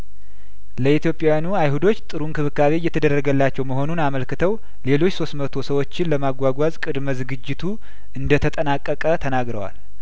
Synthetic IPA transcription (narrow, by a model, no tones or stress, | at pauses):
ləit̪jo̞pʼːjajanuajhud̪o̞t͡ʃːt̪ʼɨɾunkʰɨβɨkːaβejːɛt̪ʰəd̪ərːəɡəlːat͡ʃːɛwməɦo̞nunaməlkɨt̪ʰəw | le̞lo̞t͡ʃːso̞st̪mət̪ʰo̞səwo̞t͡ʃːɪnləmaɡʷaɡʷazkʼɨd̪məzɨɡɨd͡ʒːɪt̪ʰu | ʔɨnd̪ət̪ʰət̪ʼənakʼːəkʼət̪ʰənaɡɾəwa̰l